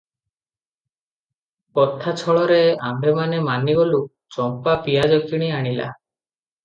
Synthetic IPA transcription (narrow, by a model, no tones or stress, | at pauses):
kɔt̪ʰːat͡ʃʰɔɭɔɾeambʱemanemaniɡolu | t͡ʃɔmpapijad͡ʒɔkkiɽ̃iaɽ̃ila̰